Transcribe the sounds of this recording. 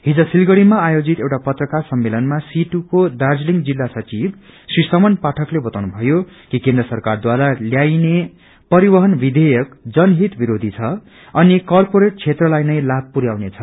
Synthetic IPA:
ɦid͡zʌsilɡʌɽimaːjod͡zit̪ewʈapʌt̪rʌkarsʌmːelʌnmasiʈukod̪ard͡zliŋɡd͡zilːasʌt͡sib | srisʌmʌnpaʈʰʌklebʌt̪awnubʱʌjokikend̪rʌsʌrkard̪waɾaljajne | pʌɾibʌɦʌnbid̪ʱejʌkd͡zʌnɦit̪biɾod̪ʱit͡sʰʌ | ʌnikʌrpoɾeʈ̚t͡sʰet̪rʌlajnʌjlab̚puɾjawnet͡sʰʌ

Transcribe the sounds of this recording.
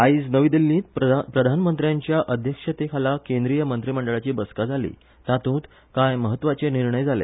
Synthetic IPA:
aisnəʋid̪elːĩːt̪pɾəd̪ʱanmənt̪ɾjaɲt͡ɕjaʔəd̪ʱjəkʂət̪ekʰalakend̪ɾijəmənt̪ɾiːməɳɖəɭat͡ɕiːbəskad͡zʱalḭː | t̪ãt̪ũːt̪ | kajməɦət̪ːʋat͡seniɾɳəjd͡zʱalḛ

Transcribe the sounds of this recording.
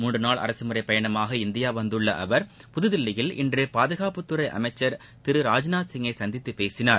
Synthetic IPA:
muːɳɖrɯnaːɭɐ̰ɾɐsɯmɯɾɐɪpɐjɐɳɐmaːɣɐɪnd̪ɪjaːʋɐnd̪ɯɭːɐʔɐʋɐɾ | pʊðɯðɪlːɪjɪlʔɪ̰ndrɯpaːðɯɣaːpɯt̪ːɯɾɐɪʔɐ̰mɐɪt͡ʃːɐɾ | t̪ɪɾɯɾaːd͡ʒnaːt̪sɪŋɐɪsɐnd̪ɪt̪ːɯpeːsɪnaːɾ

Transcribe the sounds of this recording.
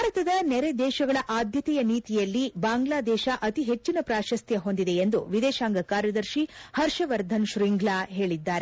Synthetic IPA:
aːɾɐt̪ɐd̪ɐnɛɾed̪ɛːʃɐɡɐɭɐʔaːd̪ʱjɐt̪ɛjɐniːt̪ijɐlːibaːŋɡlaːd̪ɛːʃɐʔɐt̪iɦet͡ʃːinɐpɾaːʃɐst̪ʰjɐɦo̞nd̪id̪e̞end̪uʋid̪ɛːʃaːŋɡɐkaːɾjɐd̪ɐɾʃihɐɾʃɐʋɐɾd̪ʱɐnʃɾiŋɡlaːɦe̞ːɭid̪ːaːɾe

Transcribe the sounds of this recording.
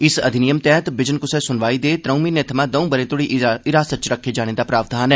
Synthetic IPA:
ɪsə̰d̪ʱɪnijəmt̪ɛːɦt̪bɪd͡ʒənkʊsɛːsʊnʋaːiːd̪eːt̪ɾəːmiːnet̪ʰəmãːd̪əũbəɾẽːt̪ʊɽiɪɾaːsət͡ʃɾəkʰːed͡ʒaːñeːd̪aːpɾaːʋd̪ʱaːnɦɛː

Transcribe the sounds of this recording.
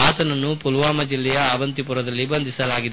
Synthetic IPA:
aːt̪ɐnɐnːupulʋaːmɐd͡ʒilːɛjɐaːʋɐnt̪ipuɾɐd̪ɐlːibɐnd̪ʱisɐlaːɡid̪e

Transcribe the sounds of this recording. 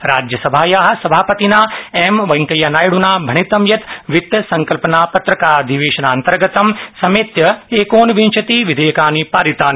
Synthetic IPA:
ɾaːd͡ʒjɐsɐbʱaːjaːɦɐ̆sɐbʱaːpɐt̪inaːeːmʋɐŋkɐjɐnaːjɽunaːbʱɐɳit̪ɐmjɐt̪ʋit̪ɐsɐ̃ŋkɐlpɐnaːpɐt̪ɾɐkaːɾd̪ʱiʋeːʃɐnaːnt̪ɐɾɡɐt̪ɐmsɐmeːt̪jɐeːkoːnʋint͡ʃʰɐt̪iʋid̪ʱeːɐkaːnipaːɾit̪aːni

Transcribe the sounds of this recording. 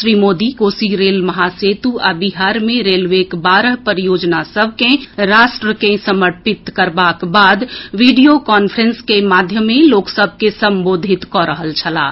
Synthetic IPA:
ʃɾimod̪ikosiɾelməɦaset̪ua̰biɦaɾmẽɾelʋekbaɾəɦpəɾijod͡ʒnasəbʱkẽɾasʈɾəkẽsəməʈpit̪kəɾbakbad̪ʋiɖijokaːnpʰəɾənskemad̪ʱjəmːẽloːksəb̚ʱkesə̃mbod̪ʱit̪kɔɾəɦəlt͡ʃʰəla̰ː

